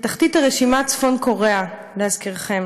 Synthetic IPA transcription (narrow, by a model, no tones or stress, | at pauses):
t̪aχtitaʁeʃimat͡sfo̞nko̞ʁea | lehazkiʁχe̞m